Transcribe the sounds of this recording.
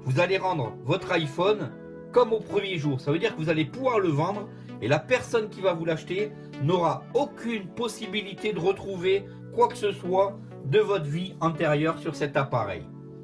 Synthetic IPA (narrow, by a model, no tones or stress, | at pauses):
vuzaleʁɑ̃d̪ʁəvɔt̪χajfɔn | kɔmopχəmjeʒuːʁsavød̪iʁkəvuzalepuvwaʁləvɑ̃d̪ʁ | elapɛʁsɔnkʲivavulaʃt̪e | nɔʁaokʲynpɔsibilit̪ed̪əʁət̪χuve | kwakə̥səswa | d̪əvɔt̪χviɑ̃t̪eʁjœʁsyʁsɛt̪apaʁɛ̰j